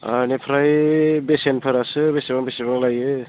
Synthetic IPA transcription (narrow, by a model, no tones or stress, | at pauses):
anepʰɾajbesenpʰɯɾasɯbesebaŋbeseβaŋlajɯ